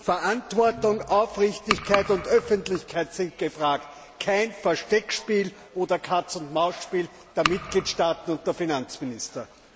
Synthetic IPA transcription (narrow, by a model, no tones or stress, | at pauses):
fɛɐʔantvɔɐtʊŋʔaʊfʁɪçtɪçkʰaɪtʊndœfəntlɪçkʰæɪtsɪnt̚ɡ̥əfʁaːkt | kʰæɪnfɛɐʃtɛkʃpiːl | ʔoːdɐkʰat͡sʊntmaʊspiːl | d̥eːɐmɪt̚ɡ̥liːtʃtaːtn̩ʊnt̚d̥eːɐfinant͡smɪnɪstɐ